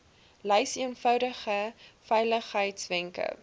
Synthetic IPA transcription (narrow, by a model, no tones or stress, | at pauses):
lɛjsiənfœwdəχəfɛjləχɦəjtsvɛŋkə̰